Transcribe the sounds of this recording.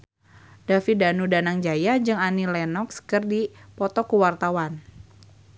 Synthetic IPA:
d̥afidanudanaŋd͡ʒajad͡ʒɨŋanilɛnɔksə̥kərdipɔt̪ɔkəwart̪awan

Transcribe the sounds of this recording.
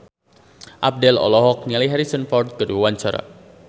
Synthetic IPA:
ʔap̚dɛlɔ̰lɔɦɔk̚niliɦɛɾisənfɔrd̚ɡ̥əduwaɲt͡ʃaɾa̰

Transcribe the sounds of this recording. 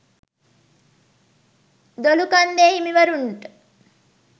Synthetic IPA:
d̪olukand̪eɦimiʋəɾuɳʈə̥

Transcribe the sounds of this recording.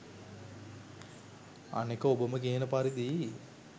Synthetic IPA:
a̰nekəobəmək̬iənəpaɾid̪i

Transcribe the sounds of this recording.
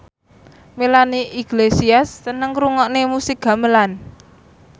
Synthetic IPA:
melaniʔiɡ̥lesiast̪ənəŋɾuŋɔʔnemusik̚ɡ̥a̤məlan

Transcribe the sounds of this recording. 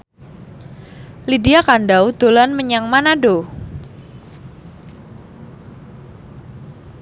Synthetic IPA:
lidiakanɖawd̪̥olanməɲaŋmanaɖo

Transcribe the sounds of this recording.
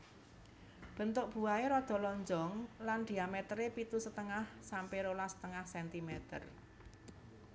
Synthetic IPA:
b̥ə̤nt̪ʊʔb̥ṳaeɾɔd̪̥ɔ̤lɔɲd͡ʒɔŋland̪̥i̤amet̪ɾepit̪usət̪əŋahsampeɾolasə̥t̪əŋahsɛnt̪imɛt̪ə̰r

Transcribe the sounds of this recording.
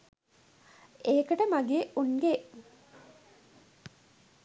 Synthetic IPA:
eekəʈəmaɡeːunɡeʔ

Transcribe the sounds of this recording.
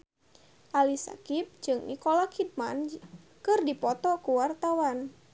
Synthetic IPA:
ʔalisa̰kip̚d͡ʒɨŋʔḭkolakʰid̚man | kɨrdipɔt̪ɔkuwart̪awan

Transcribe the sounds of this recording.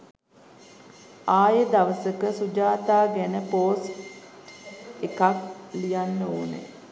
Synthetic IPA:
aːjəd̪aʋəsəkəsud͡ʒaːt̪aːɡænəpoːs | ekaklijanːəoːnḛ

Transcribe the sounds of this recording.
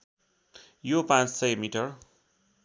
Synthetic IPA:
jopãt͡ssʌjmiʈʌr

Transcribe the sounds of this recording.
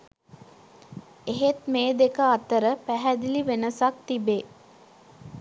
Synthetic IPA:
eɦet̪meːd̪ekəat̪əɾəpæɦæd̪iliʋenəsak̚t̪ibe

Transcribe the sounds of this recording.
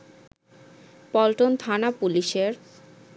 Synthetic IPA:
pɔlʈont̪ʰanapuliʃeɾ

